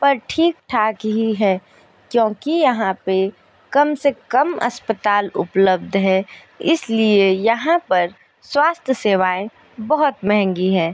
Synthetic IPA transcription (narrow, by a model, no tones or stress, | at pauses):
pɐɾʈʰiːk̚ʈʰaːkɦiɦɛ | kjõːkijɐɦãpe | kɐmsekɐmɐ̰spət̪aːlʊ̰pləb̚d̪ʱɦɛ̃ | ɪsliejɐɦãpɐɾ | swaːst̪ʰjəseːʋaːẽ | bɐɦʊt̪mɛɦɛ̃ŋɡiɦɛ̃ː